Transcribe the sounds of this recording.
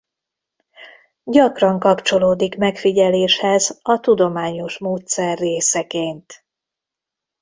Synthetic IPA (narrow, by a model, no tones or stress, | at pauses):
ɟɒkrɒŋkɒpt͡ʃo̞loːd̪ikmɛkfiɟɛleːʃhɛzɒt̪ud̪o̞maːɲo̞ʃmoːt̪sɛrːeːsɛkeːnt̪